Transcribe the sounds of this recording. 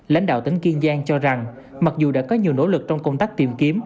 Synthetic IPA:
la̰˧˥jŋ̟ɗa̰ː˧˨wt̪ï˨˦ŋ̟ki˧ənzaː˧ŋt͡ɕɔ˧za˨˩ŋ | ma˨˩k̚zu˨˩ɗa̰ː˧˥kɔ˨˦ɲi˨˩əwno̰˧˥lɨ˨˩k̚t͡ɕɔ˧wŋ͡mkə˧wŋ͡mt̪aː˦˥k̚t̪i˨˩mki˨˦əm

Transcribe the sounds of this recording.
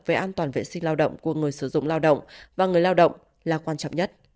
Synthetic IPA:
ve˨˩ʔaː˧nt̪waː˨˩nvḛ˧˨sï˧ŋ̟laː˧wɗə̰˧˨wŋ͡mku˨˩əŋɨ˨˩əjsɨ˧˩zʊ̰˧˨ŋ͡mlaː˧wɗə̰˧˨wŋ͡mvaː˨˩ŋɨ˨˩əjlaː˧wɗə̰˧˨wŋ͡m | laː˨˩kwaː˧nt͡ɕɔ̰˧˨ŋ͡mɲə˦˥t̚

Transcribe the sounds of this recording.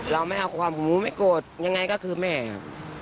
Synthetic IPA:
ɾa˧wma˥˩jʔa˧wkʰwaː˧mo˨˩mhuː˦˥ma˥˩jkoː˨˩t̪̚ɲa˧ŋːa˧jkɔː˥˩kʰɯː˧mɛː˥˩kʰa̰˧˩p

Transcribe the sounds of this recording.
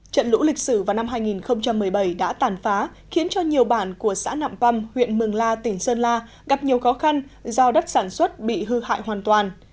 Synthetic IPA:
t͡ɕə̰˧˨nlṵ˧˥lï˨˩k̚sɨ˧˩vaː˨˩wna˧mɦaː˧jŋi˨˩nxə˧wŋ͡mt͡ɕa˧mːɨ˨˩əjɓə˧˩jɗa̰ː˧˥t̪aː˨˩nfaː˨˦ | xi˨˦ənt͡ɕɔ˧ɲi˨˩əwɓaː˧˩nku˧˩əsa̰ː˧˥na̰ː˧˨mpa˧mhwḭ˧˨ənmɨ˨˩əŋlaː˧t̪ï˧˩ŋ̟səː˧nlaː˧ | ɣa˨˩p̚ɲi˨˩əwxɔ˨˦xa˧nzɔ˧ɗə˦˥t̚saː˧˩nswə˦˥t̚ɓḭ˧˨ɦɨ˧ha̰ː˧˨jhwaː˨˩nt̪waː˨˩n

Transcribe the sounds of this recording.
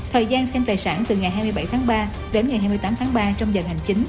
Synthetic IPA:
t̪ʰəː˨˩jzaː˧nsɛ˧mt̪aː˨˩jsaː˧˩nt̪ɨ˨˩ŋa˨˩jɦaː˧jmɨ˧əjɓa˧˩jt̪ʰaː˨˦ŋɓaː˧ | ɗe˨˦nŋa˨˩jɦaː˧jmɨ˧jt̪aː˨˦mt̪ʰaː˨˦ŋɓaː˧t͡ɕɔ˧wŋ͡mzə˨˩nha˨˩jŋ̟t͡ɕï˨˦ŋ̟

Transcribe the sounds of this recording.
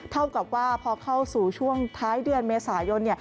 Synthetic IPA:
t̪ʰa˥˩wka˨˩p̚waː˥˩pʰɔː˧kʰa˥˩wsuː˨˩t͡ɕʰu˥˩əŋt̪ʰaː˦˥jdɯ˧ənmeː˧saː˩˦jo˧nːi˥˩ɐ

